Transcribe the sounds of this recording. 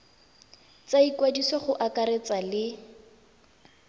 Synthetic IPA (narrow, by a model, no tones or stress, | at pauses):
t͡saikwadisɔχʊʔakaɾet͡salɪ